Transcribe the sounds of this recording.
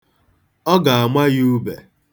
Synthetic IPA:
ɔ˦ɡa˨a˨mʷa˦ɣu˦bḛ˨

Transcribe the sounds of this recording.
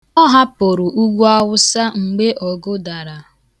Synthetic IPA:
ɔ˦ɦa˦po˨ɾʊ˨ʔu˦ɡʷu˦a˦wʊ˦sa˦ŋ͡m̩˨ɡ͡be˦ʔɔ˨ɡʊ˦da˨ɾa˨

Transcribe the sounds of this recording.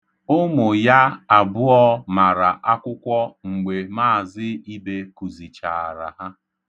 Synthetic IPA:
ʊ˦mʊ˨ja˦a˨bʊ˦ɔ˦ma˨ɾa˨ʔa˦kʷʊ˦kʷɔ˦ŋ͡m̩˨ɡ͡be˨ma˦˨zɪ˦i˦be˦ku˨zi˨t͡ʃa˨a˨ɾa̰˨ɦa˦

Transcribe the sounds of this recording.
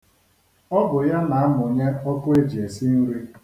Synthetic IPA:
ɔ˦bʊ˨ja˦na˨a˦m˨ʊ˨ɲe˦ɔ˦kʊ˦e˦d͡ʒi˨e˨si˦n̩˦ɾi˦

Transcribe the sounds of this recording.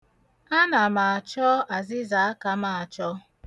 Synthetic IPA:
a˦na˨ma˨a˨t͡ʃɔ˦a˨zɪ˦za˨˦a˦ka˦ma˨a˨t͡ʃɔ˦

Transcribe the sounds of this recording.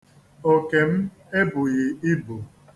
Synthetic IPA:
o˨ke˨m̩˦ | e˦bʊ˨ɣɪ˨i˦bʊ˨

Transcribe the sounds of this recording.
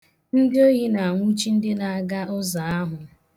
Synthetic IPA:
n̩˦dɪ˦o˦ɦi˦na˨ŋʷu˦t͡ʃi˦n̩˦dɪ˦na˨a˨ɡa˦ʊ˦za˨a˦ɦʊ˨

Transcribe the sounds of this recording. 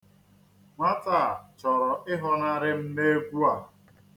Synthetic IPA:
ma˦ta˦˨t͡ʃɔ˨ɾɔ˨ʔɪ˦ɦɔ˦na˦ɾɪ˦m̩˦ne˦kʷu˦a˨

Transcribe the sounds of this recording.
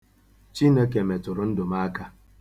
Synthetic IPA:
t͡ʃi˦nə˦ke˨me˨tʊ˨ɾʊ˦n̩˦dʊ˨ma˦ka˦

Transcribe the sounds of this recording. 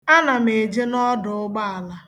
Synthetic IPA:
a˦na˨me˨d͡ʒe˦nɔ˦dʊ˨ʊ˦ɡ͡ba˦a˨la˦

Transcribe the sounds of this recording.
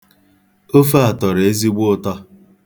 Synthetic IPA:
o˦fa˦a˨tɔ˨ɾe˦zi˦ɡ͡bʊ˦tɔ˦

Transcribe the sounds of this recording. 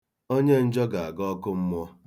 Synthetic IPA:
o˦ɲe˦n̩˦d͡ʒɔ˦ɡa˨a˨ɡɔ˦kʊ˦m̩˦mʊ˦ɔ˦

